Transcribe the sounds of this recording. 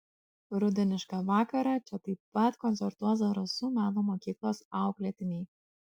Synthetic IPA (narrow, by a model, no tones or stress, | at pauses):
ɾʊd̪ʲɪnʲɪʃkɑʋɑːkɐɾɑt͡ʃʲɛt̪ɐɪppɐt̪kɔnʲsʲɛɾt̪uɔzɐɾɐsuːmʲæːnuːmoːkʲiːklˠoːsɑˑʊklʲɛt̪ʲɪnʲɛɪ